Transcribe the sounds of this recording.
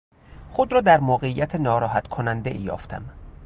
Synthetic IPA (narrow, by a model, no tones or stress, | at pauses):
xod̪ɾɒːd̪æɾmoːɣeijæt̪ʰenɒːɾɒːɦæt̪kʰonænd̪ḛʔḭːjɒ̰ːft̪ʰæ̰m